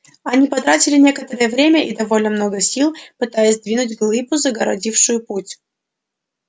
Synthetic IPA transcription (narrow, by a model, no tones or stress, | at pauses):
ɐnʲipɐt̪ɾatʲɪlʲɪnʲe̞kət̪əɾɨjəvɾʲemʲəʔid̪ɐvo̞lʲnəmno̞ɡəsʲilˠpɨt̪ajɪsʲd̪vʲinʊtʲɡlˠɨbʊzəɡəɾɐ̰dʲifʂʊjʊputʲ